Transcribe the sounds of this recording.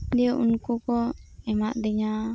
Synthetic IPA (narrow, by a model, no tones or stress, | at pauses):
d̪ɛʔunkukɔɛmaʔd̪ɛɲa